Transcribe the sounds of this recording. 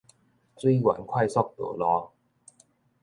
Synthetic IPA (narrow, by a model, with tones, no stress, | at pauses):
swi˥˩wa̰˨˩˦nkʰwa˥˩jsɔ˥˩k̚t̪ṵ˨˩˦lɔː˧˥